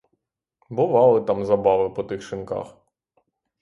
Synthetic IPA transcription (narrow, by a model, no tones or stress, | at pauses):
bʊʋɑlˠɪt̪ɑmzɐbɑʋɪpɔt̪ɪxʃɪnkɑ̰x